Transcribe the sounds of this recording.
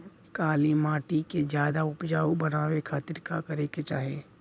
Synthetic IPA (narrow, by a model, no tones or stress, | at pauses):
kaːlimaːʈiked͡ʒjaːd̪aʊpd͡ʒaːubɐnaːwekʰaːt̪ɪɾkakɐɾeket͡ʃaːɦeː